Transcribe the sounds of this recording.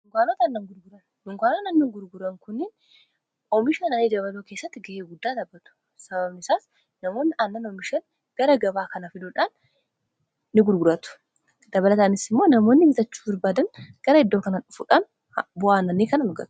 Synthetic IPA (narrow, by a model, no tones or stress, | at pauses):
nʊŋɡʷaːnoːt̪ɐnːɐŋɡʊɾɡʊɾɐn | hʊŋɡʷaːnoːnɐnːɪŋɡʊɾɡʊɾɐŋkʊnːɪn | ɔmɪʃɐnɐnid̪ɐβɐloːke̞ːsːɐt̪ːɪɡɛʔeːɡʊd̪ːaːd̪ɐbːɐt̪ʊ̥ | sɐbɐbnɪsaːs | nɐmoːnːɪʔɐnːɐnɔmɪʃɐn | ɡ̥ɐɾɐɡɐbaːkɐnɐfɪd̪oːᶑaːn | ɪɡʊɾɡʊɾɐt̪ʊ̥ | d̪ɐβɐlɐt̪aːnɪsɪmːo̞ːnɐmo̞ːnːɪhɪt̪ɐt͡ʃːu̥ːbɐɾbaːd̪ɐnɡ̥ɐɾɐɪd̪ːoːkɐnɐʊfṵːᶑaːn | bʊʔaːnːɐnːiːkɐnɐmʊɡɐ̰t̪